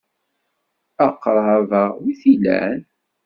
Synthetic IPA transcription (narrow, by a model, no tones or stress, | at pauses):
əqːɾˤɑðˤɑwiθilæ̰n